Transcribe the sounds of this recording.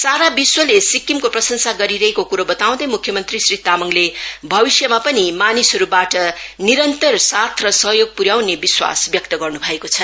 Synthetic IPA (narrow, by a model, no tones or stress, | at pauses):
saɾabiswʌlesikːimkoprʌsʌŋsaɡʌɾiɾʌɦekokuɾobʌt̪aw̃d̪ʌjmukʰːjʌmʌnt̪risrit̪amʌŋlebʱʌbisjʌmapʌnimanisɦʌɾubaʈʌniɾʌnt̪ʌrsat̪ʰrʌsʌɦjoɡ̚puɾjawnebiswa̰sbjʌk̚t̪ʌɡʌrnubʱʌekot͡sʰʌ